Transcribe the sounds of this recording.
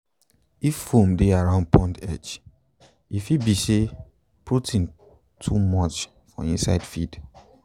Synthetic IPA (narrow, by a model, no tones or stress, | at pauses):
ifːomdeaɹãʊ̃nd̚pʰɔ̃ndɛ̰t͡ʃ | ifibise | pʰɹotʰĩn | tʰumɔt͡ʃ | fɔ̰̃ĩnsa̰ɪdfid̥